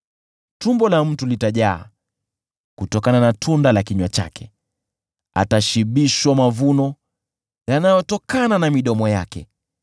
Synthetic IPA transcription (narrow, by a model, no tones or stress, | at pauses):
tumbɔlam̩tulitaʄaː | kutɔkananatʰundalakiɲwat͡ʃa̰kɛ | a̰taʃiɓiʃwamavunɔ | janajɔtɔkananamiɗɔmɔja̰kɛ̰